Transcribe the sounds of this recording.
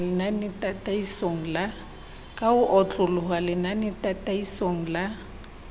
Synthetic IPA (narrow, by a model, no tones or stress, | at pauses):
lɪnanɪtʼatʼaisoŋ̩la | kʼaʊʔɔt͡ɬʼʊlʊɦwalɪnanɪtʼatʼaisoŋ̩la